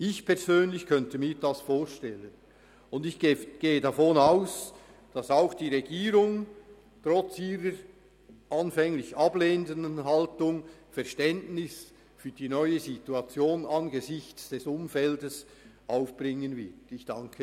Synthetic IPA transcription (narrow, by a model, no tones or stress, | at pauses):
ɪçpʰɛʁzøːnlɪçkʰœntəmiːɾd̥ɑsfoːʃtɛlən | ʊndɪç̥ɡ̥eːədɑfonaʊs | d̥ɑsaʊxd̥iːʁɛɡiːɾʊŋ | tʁɔt͡siːɾəɾ | ʔɑnfɛŋlɪçɑbleːndənənɦɑltʊŋfɛʁʃtɛntnɪs | fyːd̥iːnɔʏəzituɑt͡sjoːnɑnɡəzɪçt͡sd̥ɛsʊmfɛldəs | ʔaʊfb̥ʁɪŋənvɪtɪçd̥ɑŋkʰə